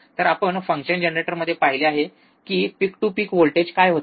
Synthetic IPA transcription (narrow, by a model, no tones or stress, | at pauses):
t̪əɾapəɳfəŋkʂənd͡ʑənɾeʈəɾməd̪ʱːjepaɦileaɦe | kiːpikʈuːpikʋolʈed͡ʑkajɦot̪